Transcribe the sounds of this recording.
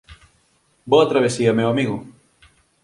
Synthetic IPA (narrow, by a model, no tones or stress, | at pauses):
boɐt̪ɾaβ̞esiɐmewamiɣʊ